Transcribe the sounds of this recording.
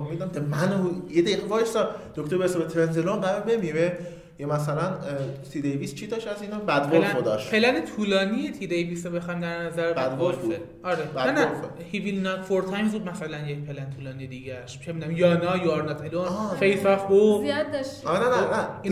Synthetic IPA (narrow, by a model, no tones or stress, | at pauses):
omid̪næmd̪emænojed̪æiɣebɒːjesɒd̪̥okt̪obeɾesebet̪ʰeɾenzelonɢæɾɒɾbe̞miːɾe | jɒmæsælænt̪ʰid̪ejvist͡ʃʰid̪ɒːʃæzinɒbæd̪voelænod̪ɒːʃpʰe̞lænet̪ʰuːlɒːnijet̪ʰid̪ejvisobexɑjmd̪æɾnæzæɾbæd̪volfḛ | ɒɾebædæno | hivilnɒt̪foɾt̪ʰɒjmzuːd̪̚mæsælænjec̚pʰe̞lænet̪ʰuːlɒːnijed̪iːɟæʃiʃʰemid̪æmjɒːnɒːjoɾnɒt̪ʰelonːfejfæfboziad̪d̪ɒʃɾenænænæi